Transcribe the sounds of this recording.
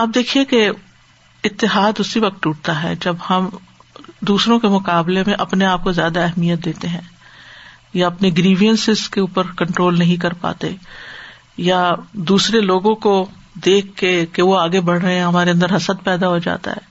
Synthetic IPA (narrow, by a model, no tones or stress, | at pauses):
ɐb̚d̪eːkʰieke | ɪt̪ːɪɦaːd̪ʊsːiʋɐk̚t̪uːʈ̚t̪aɦɛ̰ːd͡ʒɐbhɐm | d̪uːsɾõkemʊkaːblemẽʔɐpneaːp̚kozjaːd̪aɛɦmijət̪̚d̪eːt̪eɦɛ̃ː | jaɐpneɡɾiːʋijənsɪzkeuːpəɾkɐ̃ɳʈɾoːlnɐɦĩkɐɾpa̰ːt̪ḛ | jad̪uːsɾeloːɡõko | d̪eːkʰːekeʋoaːɡebɐɽ̤ɾɐɦẽɦɐmaːɾeɐ̃nd̪əɾɦɐsəd̪̚pɛːd̪aɦod͡ʒa̰ːt̪a̰ɦɛː